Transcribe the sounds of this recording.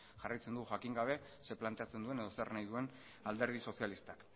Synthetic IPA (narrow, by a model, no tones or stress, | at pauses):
ʝarajt͡se̞nd̪uɣʝakiŋɡaβ̞e̞ | se̞plant̪e̞at͡se̞nd̪ue̞ne̞ðo̞sḛrnajðue̞n | ald̪e̞ɾð̞iso̞sialist̪ak